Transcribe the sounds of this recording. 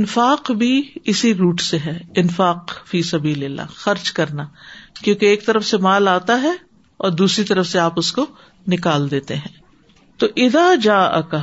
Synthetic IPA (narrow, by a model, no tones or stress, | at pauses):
ɪnfaːqbʱiɪsiɾuːʈseɦɛːɪnfaːqfiːsɐbiːlɪlːa̰ːxɐɾd͡ʒkɐɾnakjõːkeeːk̚t̪ɐɾəfsemaːlaːt̪aɦɛ | ɔ̰ːɾd̪uːsɾit̪ɐɾəfseaːpʊsko | nɪkaːld̪eːt̪eɦɛ̃ː | t̪oːʔɪðaːd͡ʒaːʔɐ̰ka